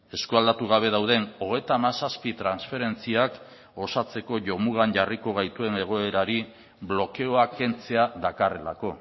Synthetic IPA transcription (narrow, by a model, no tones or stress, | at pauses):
e̞skuald̪at̪uɣ̞aβ̞e̞ð̞awðe̞no̞ɣ̞e̞jt̪amasaspit̪ɾansfe̞ɾe̞nt͡siak | o̞sat͡se̞ko̞ʝo̞muɣanʝariko̞ɣ̞ajt̪ue̞ne̞ɣ̞o̞e̞ɾaɾi | βlo̞ke̞o̞ake̞nt͡se̞aðakare̞la̰ko̞